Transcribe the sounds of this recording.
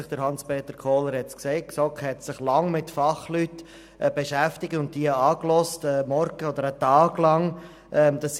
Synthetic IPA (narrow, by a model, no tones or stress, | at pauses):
ɪχd̥əɾhɑnspeːt̪əɾkʰoːləɾhɛtskseɪtksɔkhɛt̪sɪχlɑŋmɪtfɑχlytː | b̥ɛʃæftɪk̚tʊnt̚d̥iəɑːklɔstəmɔɾɡ̥əɔd̪əɾətɑːɡlɑŋ | ʔɛmd̥̪ɑs